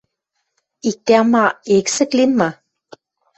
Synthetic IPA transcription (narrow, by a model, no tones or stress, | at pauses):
it̪ʲːæmɑeksɘ̆klimːɑ